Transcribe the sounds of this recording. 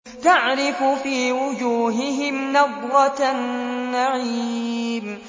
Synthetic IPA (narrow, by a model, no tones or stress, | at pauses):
t̪aʕɾɪfʊfiːwʊd͡ʒuːɦɪɦɪmnaðˤɾɑnːaʕiːm